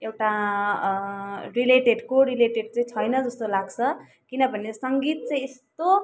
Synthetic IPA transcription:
ewʈa | rileʈeɖkoɾileʈeɖ̚t͡saĩt͡sʰʌjnʌd͡zʌst̪olaɡt͡sʰʌ | kinʌbʱʌnesʌŋɡit̪̚t͡sãĩest̪o

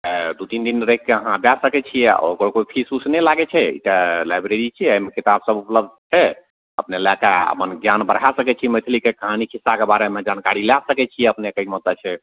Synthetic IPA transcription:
ɛd̪ut̪ind̪inɾəɦikkːeəɦãbasəkɛt͡ʃʰijɛokəɾkoipʰisusnɛlaɡɛt͡ʃʰɛḭʈalajbɾeɾit͡ʃʰiəjmekit̪absəbupləb̚d̪̚ʱt͡ʃʰɛ | ə̰pnelɛkeə̰pənɡjanbəɾ̤ɦasəkɛt͡ʃʰimət͡ʃ̪ʰlikekəɦanikʰisːakebaɾemed͡ʒankaɾiljasəkɛt͡ʃʰijɛəpnekəimɔt̪ət͡ʃʰɛ

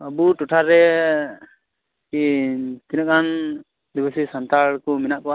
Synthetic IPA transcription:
əbuʈuʈʰaɾɛ | kit̪inakan | d̪ibəsisant̪aɭkɔminaʔkɔwa

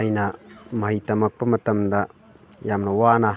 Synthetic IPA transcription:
jnɐmɐɦɐjtɐmɐk̚pɐmɐt̪ɐmd̪ɐ | jamnɐwana

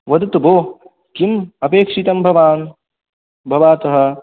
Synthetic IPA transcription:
ʋɐd̪t̪ɐboː | kimɐpeːkʂit̪ɐmbʱɐʋaːn | bʱɐʋaːt̪ɐɦɐ̆

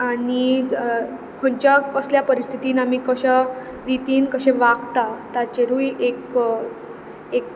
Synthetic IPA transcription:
ani | kʰoɳt͡ɕjaəsljapəɾist̪ʰi̥t̪iːnam̤iːkəɕa | ɾit̪iːnkəɕẽʋaɡt̪at̪at͡ɕeɾuiek | ek

